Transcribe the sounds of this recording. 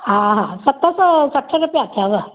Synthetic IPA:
ɦãɦãsəkt̪ːasəsəʈʰːaɾupjaat̪ʰjaʋə

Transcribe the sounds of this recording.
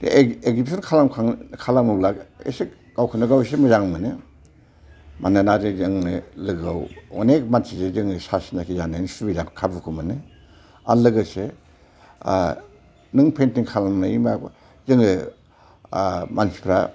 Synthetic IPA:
eɡzipsʰɔnkʰalamkʰaŋkʰalamɯblakḛse | ɡ̥awkʰɯnɯɡawes̬emɯzaŋmɯnɯ | mʔananazezɯŋnɯlɯɡawonek̚mansizezɯŋɯsasi̥nakʰizanansubizaŋkʰabukʰumɯnɯ | a̰lɯɡɯse | nɯŋpʰentiŋkʰalamnɯima | zɯŋɯ | mansi̥pʰɾa̰

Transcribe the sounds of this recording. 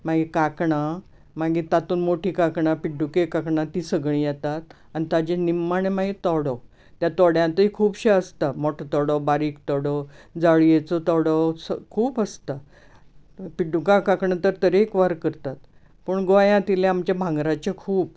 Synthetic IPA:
maɡekakɳa | maɡit̪at̪uːnmoʈʰiːkakɳapiɖukekakɳat̪iːsəɡɭ̃ĩjɛt̪at̪̚ | anit̪ad͡ʑenimaɳemaɡet̪ɔɽɔ | t̪jat̪ɔɽjãnt̪əikʰuːpɕeəst̪amoʈʰot̪ɔɽɔbaɾiːkt̪ɔɽəd͡zaɭjet͡sɔt̪ɔɽəsəkʰuːpəst̪a | piɖukãkakɳat̪əɾt̪əɾeːkʋaɾkəɾt̪at̪ | pəɳɡɔjãt̪ileamt͡ɕjabʱãŋɡɾat͡ɕekʰuːp̚

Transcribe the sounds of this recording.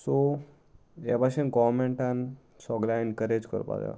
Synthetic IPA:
so | ɛbaɕenɡɔmeɳʈan | sɔɡlaenkəɾed͡ʑkə̰ɾpa̰d̪a̰

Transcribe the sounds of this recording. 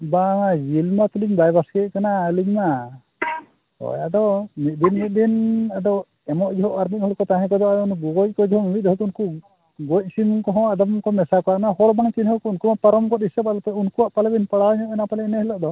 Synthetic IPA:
baŋajilmat̪uliɲbajbaskɛkanaəliɲma | ɔ̰jaʔd̪ɔmit̪̚b̪inmit̪̚b̪inad̪ɔ | ɛmɔʔd͡ʒɛɦɔʔaɾmit̪̚hɔlkɔt̪ãɦɛ̃k̬ɔd̪ɔaunuɡɔɡɔc̚kɔd͡ʒɛɦɔmit̪̚ˀɦɔt̪ɔunku | ɡɔc̚simkɔɦɔ̃ad̪ɔmkɔmɛsakɔaʔnahɔlbaŋt͡ʃinhɔkɔunkumapaɾɔmkɔt̪isɛbad̪ɔp̪ɛunkuwaʔpalɛbinpaɽawɲɔʔɛnapalɛnɛhɛlɔʔd̪ɔ

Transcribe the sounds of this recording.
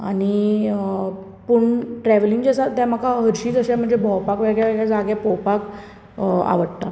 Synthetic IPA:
añi | puɳʈɾɛʋliŋɡd͡ʑasat̪jaməkaɦəɾɕiːd͡zəɕam̤əɳd͡zebʱɔwpakʋeɡɭjaʋeɡɭjad͡zaɡjapɔwpak | a̰ʋəɽt̪a

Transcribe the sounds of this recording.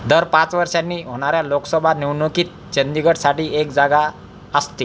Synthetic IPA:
d̪əɾpãt͡sʋəɾʂjanːiːɦoɽ̃aɾjaloksəbʱaniwnokiːt̪̚t͡ɕənd̪iɡəʈsaʈiːekd͡zaɡa | əst̪i

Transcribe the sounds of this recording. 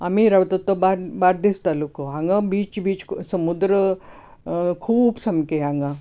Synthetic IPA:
amiɾaʋt̪ət̪ːobaɾbaɾd̪ist̪alukoɦãŋɡabiːt͡ʃbiːt͡ʃsəmud̪ɾə | kʰuːbsɐmkeɦãŋɡa

